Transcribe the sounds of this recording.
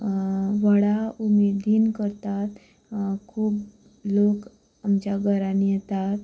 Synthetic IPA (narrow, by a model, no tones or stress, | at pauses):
ʋəɽaumed̪iːnkəɾt̪at̪ | kʰuːb | lok | amt͡ɕaɡəɾanijɛt̪at̪